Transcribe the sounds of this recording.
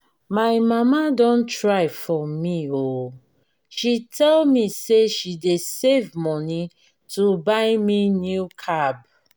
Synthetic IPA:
maɪmamadɔ̃ntɹaɪfɔmio | ʃitʰɛlmiseʃidesevmɔni | tʰubaɪminjukʰab

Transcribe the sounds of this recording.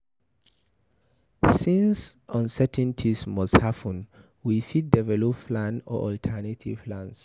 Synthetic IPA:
sĩnsʔɔ̃nsɛtʰɛ̃ntʰismɔsthapʰə̃n | wifit̚dɛvɛlɔpflãnɔ̰ʔɔltʰɛnatʰḭv̥plãns

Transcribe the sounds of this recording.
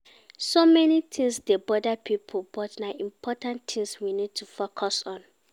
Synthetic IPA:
somɛnit̪ʰĩŋsdebɔdapʰipʰobɔtnaʔĩmpʰɔtãnt̪ʰĩŋswinid̚tʰufokʰɔsɔ̃n

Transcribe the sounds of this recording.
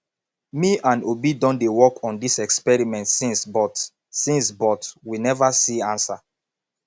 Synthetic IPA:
miʔãnobidɔ̃ndewɔkʰɔ̃ndisɛkspɛɹimɛ̃ntsĩnsbɔt | sĩnsbɔtwinɛvasiãnsa

